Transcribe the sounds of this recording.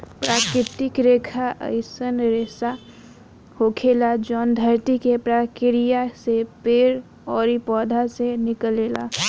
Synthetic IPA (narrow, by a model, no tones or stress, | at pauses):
pɾaːkɾɪt̪ɪkɾeːkʰaʔə̰ɪsənɾesa | hoːkʰelad͡ʒɔːnd̪ʱəɾt̪ikepɾakɪɾijasepeːɾ | ɔːɾipɔːd̪ʱasenɪkəleːla̰ː